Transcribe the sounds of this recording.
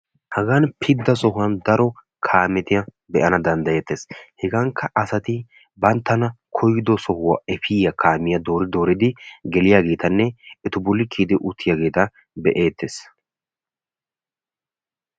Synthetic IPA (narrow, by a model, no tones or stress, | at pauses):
hɐɡanpʰɪd̪ːɐsɔɦʊwɐnd̪ɐɾɔ | kʰaːmɛt̪ɪjɐ | bɛʔɐnɐd̪ɐnd̪ɐje̞ːt̪ːeːshɛɡaŋkʰːɐʔɐsɐt̪ɪ | bɐnt̪ːɐnɐkʰɔjɪd̪ɔsɔhʊwa̰ɛfɪjɐkʰaːmɪjɐd̪o̞ːɾɪd̪o̞ːɾɪd̪ɪɡɛlɪjaːɡe̞ːt̪ɐnːɛɪt̪ʊbʊlːɪkʰiːd̪ɪʔʊt̪ʰːɪjaːɡe̞ːt̪ɐ | bɛʔe̞ːt̪ːeːs